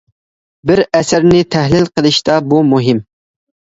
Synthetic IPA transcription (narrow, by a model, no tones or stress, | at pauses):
bɪɾɛsɪɾnɪt̪ʰɛhlɪlqʰəlˠɨʃt̪ɑbumuɦɪm